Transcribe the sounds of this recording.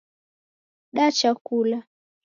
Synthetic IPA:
ɗat͡ʃakula

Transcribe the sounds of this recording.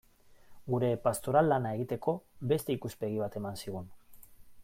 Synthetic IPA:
ɡuɾe̞past̪o̞ɾalːanae̞ɣ̞it̪e̞ko̞be̞st̪e̞ikuspe̞ɣ̞iβat̪e̞mansiɣ̞un

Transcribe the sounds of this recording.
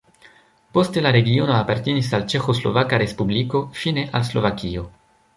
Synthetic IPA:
po̞stelaɾe̞ɡio̞noapaɾt̪enisalt͡ʃe̞xo̞slo̰vakaɾespubliko̞fine̞ʔalslo̞̰vakio̞

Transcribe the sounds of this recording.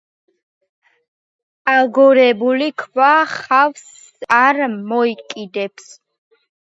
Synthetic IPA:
aɡɔɾɛbulikʰvaχavs | aɾmɔikʼid̪ɛps

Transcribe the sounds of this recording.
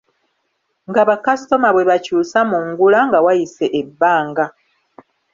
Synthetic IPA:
ŋɡaβakasto̞maβwe̞βacuːsamuŋɡulaŋɡawajise̞ʔebːaːŋɡa

